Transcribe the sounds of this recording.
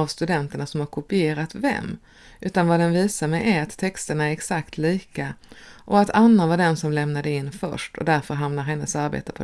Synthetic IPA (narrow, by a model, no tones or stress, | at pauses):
avst̪ɵd̪ɛnt̪əɳasɔmhaɾkʰʊpɪeːɾat̪vɛ̰mː | ʔʉ̟ːt̪anvad̪ɛnviːsaɾmɛjʔæɾat̪ʰːɛkst̪əɳaæɾɛksakt̪liːkaʔɔat̪ʰanːanvaɖɛnsɔmlɛmnad̪əɪnːfœ̰ʂʈʰɔ̰d̪æɾfœɾɦamnaɾɦɛnːəsaɾbḛːt̪ə̥pʰɔ